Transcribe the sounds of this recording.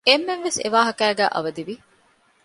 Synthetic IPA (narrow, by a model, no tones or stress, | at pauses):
emːeʋːesḛʋaːɦɐkæːɡæ̰ːʔɐ̰ʋɐd̪iʋi